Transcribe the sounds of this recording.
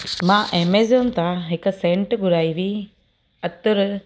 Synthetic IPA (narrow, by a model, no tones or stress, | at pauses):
mãːʔemeːzʊnt̪ãɦɪksẽːɳʈɡʊɾaːiʋi | ɐt̪ʊɾ